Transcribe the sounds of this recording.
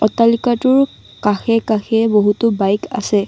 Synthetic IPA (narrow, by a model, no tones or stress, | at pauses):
ɔtalikatʊɹ | kaxɛkaxɛboɦutʊbajka̰sɛ